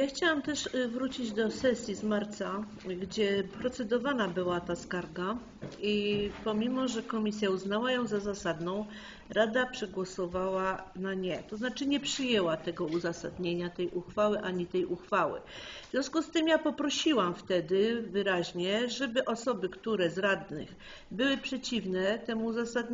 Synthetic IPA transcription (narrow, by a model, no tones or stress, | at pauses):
jaxt͡ɕawamt̪ɛʂvɾut͡ɕid͡ʑd̪ɔsɛsʲjizmaɾt̪sa | ɡd͡ʑɛpɾɔt̪sɛd̪ɔvanabɘwat̪askaɾɡa | ipɔmʲimɔʐɛkɔmʲisʲjauznawajɔ̃w̃zazasad̪nɔ̃w̃ | ɾad̪apʂɛɡwɔsɔvawanaɲɛt̪ɔznat͡ʂɘɲɛpʂɘjɛwat̪ɛɡɔuzasa̰d̪ɲeɲat̪ɛjʔuxfawɘʔaɲit̪ɛjʔuxfawɘ̰vvʲjɔ̃w̃skust̪ɘmjapɔpɾɔɕiwamft̪ɛd̪ɘvɘɾaʑɲɛʐɛbɘʔɔsɔbɘkt̪uɾɛzɾad̪nɘ̰x | bɘwɘpʂɛt͡ɕivnɛt̪ɛmuːzasad̪ɲ